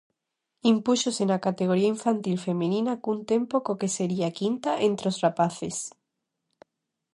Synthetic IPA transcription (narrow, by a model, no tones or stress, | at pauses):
impuʃosenakat̪eɣ̞oɾiaiɱfant̪ilfe̞mẽnĩnakunt̪e̞mpokoke̞seɾiakint̪aʔent̪ɾosrapaθes